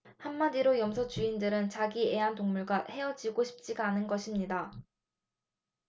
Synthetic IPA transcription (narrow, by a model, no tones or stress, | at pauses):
hamːadiɾojʌmsʰʌt͡ɕuindɯɾɯnt͡ɕaɡie̞antoŋmuɭɡahe̞ʌd͡ʑiɡoɕʰi̥p̚t͡ɕ͈iɡaːnɯnɡʌɕʰimɲida